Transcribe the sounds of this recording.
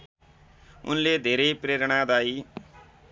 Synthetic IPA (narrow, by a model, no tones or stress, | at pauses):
ṵnled̪ʱeɾʌjpreɾɽ̃ad̪aj